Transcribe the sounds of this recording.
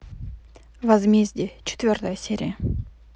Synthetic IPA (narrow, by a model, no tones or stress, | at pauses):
vɐzmʲezʲdʲɪt͡ɕɪ̥t̪vʲort̪əjəsʲeɾʲɪ̰jə